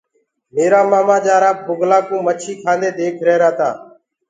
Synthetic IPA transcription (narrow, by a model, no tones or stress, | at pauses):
meːɾaːmaːmãːd͡ʒaːɾaːp̚bʊɡlaːkũːmət͡ʃʰiːkʰãːnd̪eːd̪eːkʰɾeːɾaːt̪aː